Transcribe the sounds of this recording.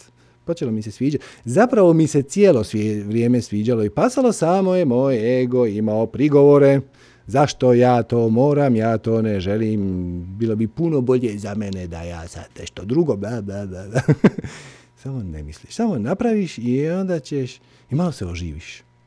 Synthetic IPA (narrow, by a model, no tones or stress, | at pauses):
po̞t͡ʃelomise̞sʋiːd͡ʒazapɾaʋo̞misesjelo̞sʋeʋɾjeːme̞sʋiːd͡ʑalo̞ipasalˠo̞saːmo̞jemoːjeɡoimaopɾiɡo̞ʋoɾe̞ | zaʃt̪o̞jaːt̪oːmoːɾamjaːt̪o̞ːneʒe̞liːmbiːlˠo̞bipuno̞bo̞ʎezamened̪a̰jaːsa̰d̪neʃt̪od̪ɾuɡod̪ad̪ad̪ad̪a | samonḛmisliʃsamo̞napɾaʋiʃio̞nd̪at͡ɕeʃ | imalo̞seoʒiːʋiʃ